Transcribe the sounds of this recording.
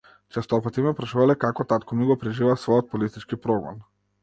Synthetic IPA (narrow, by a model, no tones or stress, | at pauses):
t͡ʃɛst̪ɔpat̪imɛpɾaʃuvalɛkakɔt̪at̪kɔmiɡɔpɾɛʒivasvɔjɔt̪̚pɔlist̪it͡ʃkipɾɔɡɔ̰n